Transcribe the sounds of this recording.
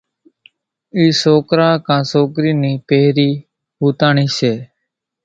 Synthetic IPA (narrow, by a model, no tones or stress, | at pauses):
iːsoːkɾaːkãːsoːkɾiːniːpeːɾiː | ɦuːt̪aːɳiːseː